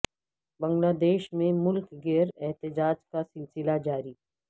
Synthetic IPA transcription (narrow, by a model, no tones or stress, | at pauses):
bɐ̃ŋɡlaːd̪eːʃmẽmʊlkɡeːɾɛɦt̪ɪd͡ʒaːd͡ʒkasɪlsɪlad͡ʒaːɾiː